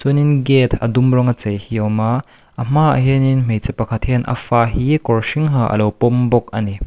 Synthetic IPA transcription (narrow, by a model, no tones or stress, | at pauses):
t͡sɔninɡɛt̪ʰɐ̰dumrɔŋɐt͡sejhiɔwma | ʔɐm̥aɐ̰ɦɛninm̥ejt͡sɛpakʰat̪̚hɛnʔɐ̰faːɦikɔɹʃiŋɦaʔɐ̰lɔwpɔmbɔk̚ɐni